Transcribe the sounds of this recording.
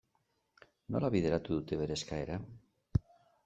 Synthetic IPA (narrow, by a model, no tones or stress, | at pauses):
no̰laβiðeɾat̪uðut̪eβeɾeskaeɾa